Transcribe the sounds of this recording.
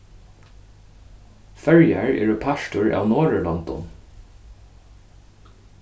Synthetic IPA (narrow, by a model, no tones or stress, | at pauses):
fœɹjæ̰ɹḛːɹəpʰæʃʈʊɹʔɑ̰ːʋnoːɹəlɑnt̪ɔ̰n